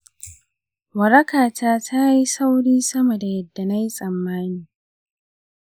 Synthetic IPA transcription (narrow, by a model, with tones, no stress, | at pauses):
wɐ˨ɾɐ˦kaː˨taː˦tʰa˦ji˦sa˦wɽiː˦sɐ˦mɐ˨da˨jɐ˦dːa˨na˦ji˦sʼɐ˨mːaː˦niː˨